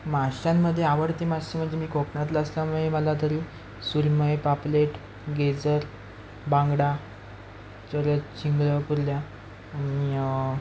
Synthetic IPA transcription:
maɕamːəd̪ʱːjeaʋəɽt̪imaɕem̤əɳd͡zemiːkoknat̪̬laəslaməɦeməlat̪̬əɾiː | suɾməjpapleʈ | ɡed͡zəɾ | bãŋɡɽa | t͡ɕəɾət͡ɕiŋɡləpuɾljaː | ɽ̃ii

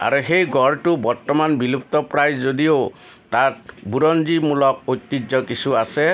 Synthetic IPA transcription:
a̰ɾuxejɡʱɔɹʈubɔɾt̪ɔmanbilup̚t̪ɔpɹajzodio | tat̚buɾɔnd͡ʒimulɔk̚ojt̪ːid͡ʒɔkisuasɛ

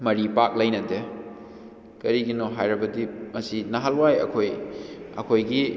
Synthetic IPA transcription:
mɐɾipak̚lɐjnɐde | kɐɾiɡinoɦajɾɐbɐdimɐsinaɦalwajɐ̰kʰojɐ̰kʰojɡi

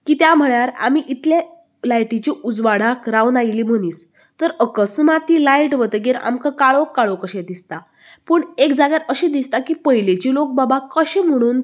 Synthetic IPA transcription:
kiːt̪jam̤əɭjaɾa̰miʔit̪lja | lajʈit͡ɕiʔud͡zʋaɽ̤akɾawnailiːm̤əɽ̃iːt͡s | t̪əɾəkəsmat̪ːilajʈʋət̪ɡeɾa̰mkakaɭokːaɭokəɕed̪ist̪a | pəːɳekd͡zaɡjaɾəɕẽd̪ist̪akipəɦilet͡ɕiːlok̚babakəɕem̤əɽ̃uːn

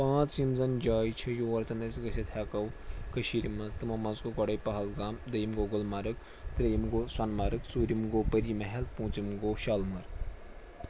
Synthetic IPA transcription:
pãːt͡sjimzɐnd͡ʒaːjt͡ʃʰɐjoɐɾt͡sɐnɐsʲɡɐsʲɐt̪ʰʲaːkɐw | kɐʃiːɾimɐzt̪ɨmɐmɐzɡoɡɔɽɐjpɐɦɐlɡaːmd̪ɐjimɡoɡolmɐɾɨk | t̪ɾɐjmɡoːswɐnmɐɾɨkt͡suːɾimɡoːpɐɾiːmɐɦelpũːt͡simɡoːʃalmɐɾ

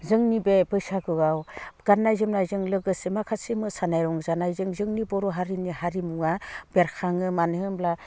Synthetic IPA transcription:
zɯŋnibebɯsaɡɯɡawɡ̥anːajzɯmnajzɯŋlɯɡɯsemakʰasimɯsanajɾɔŋzanajzɯŋzɯŋnibɔɾɔɦaɾinihaɾimuŋabeɾkʰaŋɯmanɯmbla

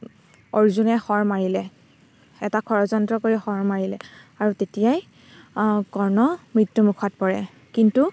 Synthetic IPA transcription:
oɹzunɛxɔɹmaɹilɛ | ɛtakʰɔɹɔzɔntɹɔkoɹixɔɹmaɹilɛ̰ | aɹutetijaj | kɔɹnɔmɹitːumukʰɔt̚pɔɹɛ̰ | kintu

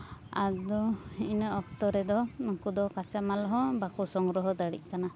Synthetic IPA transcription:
a̰d̪ɔinəɔk̚t̪ɔɾɛd̪ɔɔŋkud̪ɔkat͡ʃamalɔɦɔbakusɔŋɡɾɔɦɔd̪əɽḭc̚ˀkana

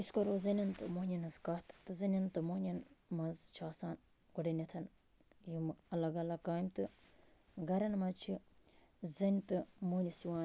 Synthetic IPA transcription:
iskɐɾoːzɐnʲɐnt̪ɨmoɦnʲɐnɐzkɐt̪ʰt̪ɨzɐnʲɐnt̪ɨmonʲɐnmɐzt͡ʃʰaːsaːn | ɡuɽɐnʲɐt̪ʰɐn | jimɐlɐɡɐlɐkaːmt̪ɨ | ɡɐɾɐnmɐt͡ʃʰi | zɐnʲt̪ɨmoːnʲisiwaːn

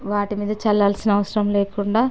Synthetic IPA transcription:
ʋaːʈimiːd̪ɐt͡ʃɛlːaːlsinɐɐʋɐsɐɾɐmleːkuɳɖaː

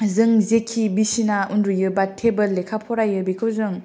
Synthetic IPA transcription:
zɯŋzekʰibisinaundɾujɯbatʰebɯlːekʰapʰɔɾajɯbikʰɯwzɯŋ

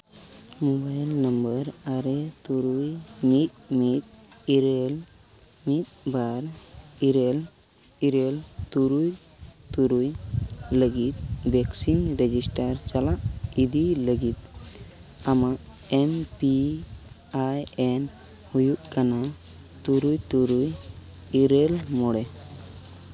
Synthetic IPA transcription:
mobajlnəmbəɾaɾet̪uɾujmit̪̚mit̪̚iɾel | mit̪̚baɾiɾel | iɾelt̪uɾuj | t̪uɾujləɡit̪̚bɛksinɾɛd͡ʒisʈaɾt͡ʃalaʔid̪iləɡit̪̚ | amaʔ | ɛmpi | ajɛn | hujuʔkana | t̪uɾujt̪uɾuj | iɾelmɔɽɛ

